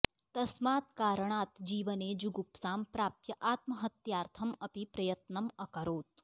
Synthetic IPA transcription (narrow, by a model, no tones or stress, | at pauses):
t̪ɐsmaːt̪kaːɾɐɳaːt̪d͡ʒiːʋɐneːd͡ʒuɡupsaːmpɾaːp̚t̪jɐʔaːt̪mɐɦɐt̪jaːɾt̪ʰɐmɐpipɾɐjɐt̪nɐmɐkɐɾoːt̪̚